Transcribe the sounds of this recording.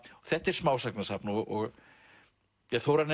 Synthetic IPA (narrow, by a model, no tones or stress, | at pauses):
θɛht̪ɛɾ̥smaːwsaknasapnɔɣɔɣ | jɛɣθowɾan